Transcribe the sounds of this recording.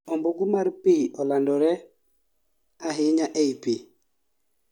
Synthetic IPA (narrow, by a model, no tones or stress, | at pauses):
ɔmbɔɡumaɾpiɔlandɔɾɛ | aɦɪɲaʔeipi